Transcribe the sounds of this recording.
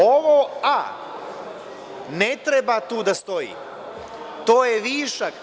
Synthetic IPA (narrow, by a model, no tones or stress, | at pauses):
oʋoːa | net̪ɾebat̪uːd̪ast̪o̞jḭː | t̪oːjeʋiːʃak